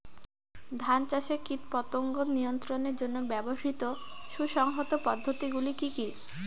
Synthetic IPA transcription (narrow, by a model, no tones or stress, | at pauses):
d̪ʱant͡ɕaʃekit̪pɔt̪oŋɡonnijont̪ɾoneɾd͡ʑonːobɛboʃit̪o | ʃuʃɔŋɦot̪opɔd̪ʱːot̪iɡulikiki